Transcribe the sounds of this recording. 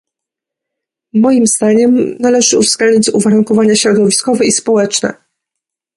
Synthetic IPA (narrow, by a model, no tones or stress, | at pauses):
mɔjimz̥d̪aɲɛmnalɛʐɘuvz̥ɡ̥lɛnɲid͡ʑzuvaɾuŋkɔvaɲaɕɾɔd̪ɔvʲiskɔvɛispɔwɛt͡ʂnɛ̰